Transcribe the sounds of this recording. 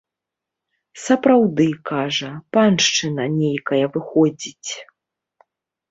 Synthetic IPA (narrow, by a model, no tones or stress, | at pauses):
sɐpɾawd̪ɨkaʐɐpanʂt͡ʂɨnɐnʲejkɐjɐvɨxɔd͡zʲit͡sʲ